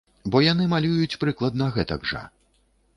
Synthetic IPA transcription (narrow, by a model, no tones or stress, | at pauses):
bɔjanɨmalʲujut͡sʲpɾɨklˠɐd̪nɐɣɛt̪ɐɡʐɐ̰